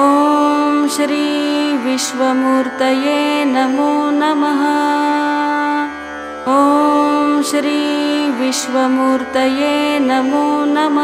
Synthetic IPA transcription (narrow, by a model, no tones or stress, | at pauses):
oːmʃɾiːʋiʃʋɐmuːɾt̪ɐjeːnɐmuːnɐmɐɦɐ | oːmʃɾiːʋiʃʋɐmuːɾt̪ɐjeːnɐmuːnɐm